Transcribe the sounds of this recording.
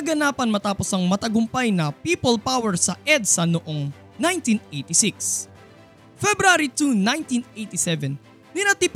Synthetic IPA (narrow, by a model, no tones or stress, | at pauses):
ɐɡɐnaːpɐnmɐt̪aːposɐŋmɐt̪ɐɡʊmpajnɐpipolpawɛɹsɐʔɛd̪sɐnoʔo̞ŋ | najnt̪inejt̪isiks | fɛbɾaɾit̪unajnt̪inejt̪isɛvɛn | nɪnɐt̪ip